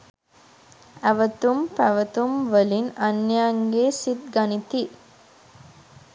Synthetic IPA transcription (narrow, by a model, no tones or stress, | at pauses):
æʋət̪umpæʋət̪umʋəlinɐnːeaŋɡeːsit̪̚ɡɐnit̪i